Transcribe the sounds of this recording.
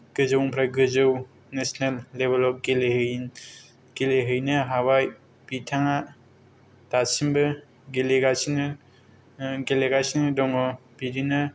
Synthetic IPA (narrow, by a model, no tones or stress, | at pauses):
ɡ̥ɯzɯwŋpʰɾajɡɯzɯw | nesnelːebelɔp̚ɡelehɯj | ɡ̥eleɦɯjnɯɦawaj | pitʰaŋa | tasimbɯ | ɡeleɡasin | ɡeleɡasinɯdɔŋɔbidinɯ